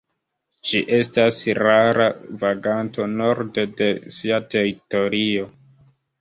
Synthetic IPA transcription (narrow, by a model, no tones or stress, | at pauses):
d͡ʒiʔe̞stasɾaɾavaɡanto̞no̞ɾde̞de̞siate̞ɾito̞ɾio̞